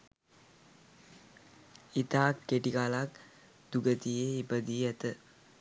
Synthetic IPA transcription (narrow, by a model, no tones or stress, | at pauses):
it̪aːkːeʈikaːlaːk̚ | d̪̥uɡət̪ijeibɐd̪ijɐt̪ə